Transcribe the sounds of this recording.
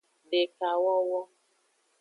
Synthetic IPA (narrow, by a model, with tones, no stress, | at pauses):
ɖe˨ka˨wɔ˦wɔ˦